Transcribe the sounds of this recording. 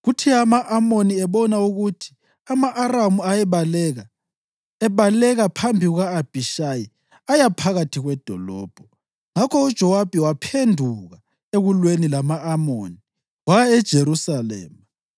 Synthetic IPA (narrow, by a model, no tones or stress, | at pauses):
ɣutʰiamaʔamoniɛβɔnauɣutʰi̥ | amaʔːramuaɛβalɛɣa | ɛβalɛɣapʰambʱiɣuɣaːb̥ʱiʃaji | ajapʰaɣatʰiɣwɛd̥ʱɔ̰lɔ̰ːb̥ʱɔ | ŋakʰɔud̥ʒ̥ʱɔwab̥ʱɛwapʰendʱuɣa | eɣulwenilamaːmo̰ni | waɛd̥ʒ̥ʱeɾusalɛ̰ːma